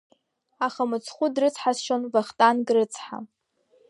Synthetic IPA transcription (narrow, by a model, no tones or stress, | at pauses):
aχamɨt͡sʰχʷʊdrɨt͡sʰħasʃonvaχtʼanɡʼrɨt͡sʰħa̰